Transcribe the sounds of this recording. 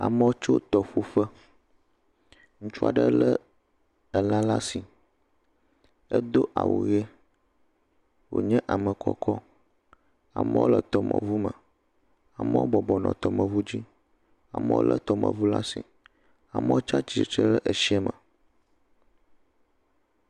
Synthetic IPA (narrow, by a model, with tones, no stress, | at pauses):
a̰˨mə˦wo˦t͡ʃo˦t̪ɔ˨ɸu˦fə˦ | ŋũ˦t͡ʃu˦a̰˨ɖə˦lə˦ | ə˨la˦la˦si˨ | ə˦d̪o˦ʔa̰˨wʔo̰˨je˦ | wo̰˨ɲɛ̃˦ʔa˨mə˨kʰɔ̰˦kɔ˦ | a̰˨mə˦wo̰˦lə˨t̪ɔ˨mʔə̰̃˨vu˦mə˨ | a˨mə˦wo˦bɔ˨bɔ˨nɔ̰̃˨t̪ɔ˨mə̃˨vu˦d͡ʑi˦ | a˨mə̰̃˦wo̰˦lʔə̰˨t̪ɔ˦mə̰̃˨vu˦la˦sḭ˨ | a˨mə˦o˦t͡ʃa˦t͡ʃi˨t͡ʃə˦lə˦ʔə˨ʃi˦ɛ˦mə̃˨